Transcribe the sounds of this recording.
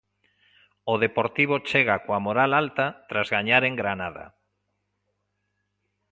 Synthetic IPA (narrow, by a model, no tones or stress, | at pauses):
oð̞epoɾt̪iβ̞ot͡ʃeɣ̞akoamoɾalalt̪at̪ɾazɣaɲaɾeŋɡɾanað̞a̰